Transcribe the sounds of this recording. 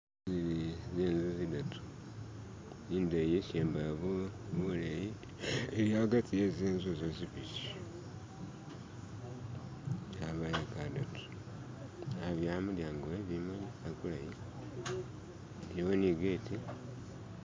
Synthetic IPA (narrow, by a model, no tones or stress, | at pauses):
zizeːnzizidatʰu̥ | iːndejeseːmbaβuβuleji | eɾjaβaɡatʰijezeːnzuzozipit͡ʃi | aβajekadatu̥ | aβjamuljaŋɡoeβimuliakulaji | djoniɡeti